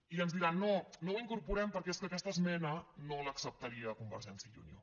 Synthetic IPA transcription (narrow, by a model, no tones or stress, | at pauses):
iənzðiɾanːonoiŋkuɾpuɾɛmpəɾkɛeskəkɛst̪əsmɛnənoləːksəp̚t̪əɾiəkumbə̰ɾʒɛnsiəʎṵnjo̰